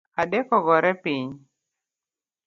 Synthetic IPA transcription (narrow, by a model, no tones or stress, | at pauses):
adɛkɔɡɔɾɛpiɲ